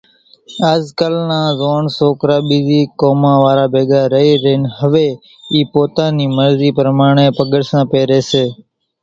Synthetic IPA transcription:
aːzkəlnãːzoːɳsoːkɾaːɓiːziːkoːmãːʋaːɾaːbeːɡaːɾəiːɾənɦəʋeː | iːpoːt̪ãːniːməɾziːpəɾmaːɳ̃eːpəɠəɽsãːpeːɾeːseː

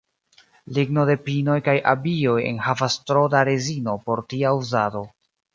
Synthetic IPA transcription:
liɡno̞de̞pino̞jkajʔabio̞je̞̰nhavastɾodaɾezino̞po̞ɾtiauzado̞

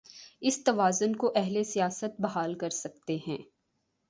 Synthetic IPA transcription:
ɪst̪ɐʋaːzʊnkoʔɛɦlesijaːsət̪̚bɐɦaːlkɐɾsɐk̚t̪eɦɛ̃ː

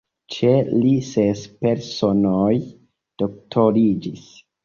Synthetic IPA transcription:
t͡ʃelisespeɾsonoj | d̥ok̚tʰoɾid͡ʒis

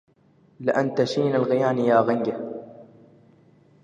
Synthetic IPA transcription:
lɪʔant̪aʃiːnalɣɪjaːnijaːɣaŋɡa

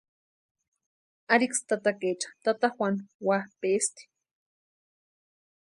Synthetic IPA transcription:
aɾikst̪at̪aket͡ʃḁt̪at̪axwʷanwapest̪i̥

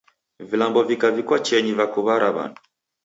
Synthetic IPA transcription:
vilambɔvikavikwat͡ʃɛɲivakuβaɾaβa̰ntu

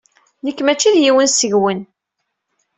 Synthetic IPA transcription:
nəkːmæt͡ʃːiðjiwənsəʝwən

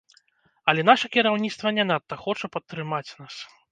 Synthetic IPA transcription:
ɐlʲɛn̪aʂɐkʲiɾawnʲit̪st̪vɐnʲɛnat̪ːɐxɔt͡ʂɐpɐt̪ːɾɨmat͡sʲnas

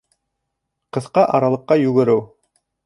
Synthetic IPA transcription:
qɤ̆θqɑʔɑɾɑlˠɤ̆qːɑjʉɡɘ̆ɾɘw

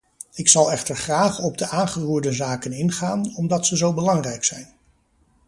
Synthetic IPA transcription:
ɪksɑlˠɛχtəɹχraːχɔb̚dəʔaːnχəruːɹdəzaːkənɪnχaːnɔmdɑtsəzowbəlɑŋrɛjksɛjn

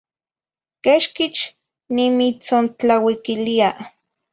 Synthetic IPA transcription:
keʃkit͡ʃ | nimit͡sont͡ɬawikilia

